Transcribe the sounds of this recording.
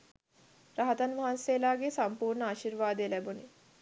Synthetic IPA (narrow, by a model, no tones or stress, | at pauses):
ɾaɦɐt̪ɐnmaɦanseːlaːɡesɐmpuːɾɳəaʃiɾʋaːd̪elɛboni